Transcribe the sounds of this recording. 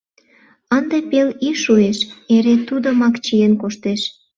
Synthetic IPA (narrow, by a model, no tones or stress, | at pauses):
ənd̪epeliʃueʃeɾet̪ud̪omɑkt͡ɕijenkoʃt̪eʃ